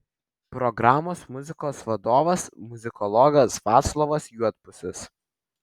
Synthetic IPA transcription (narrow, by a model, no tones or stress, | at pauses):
pɾɔɡɾɑːmoːsmʊzʲɪkoːsʋɐd̪oːʋɐsmʊzʲɪkɔlˠɔːɡɐsʋɑːt̪slˠoːʋɐsjuɔt̪̚pʊsʲɪs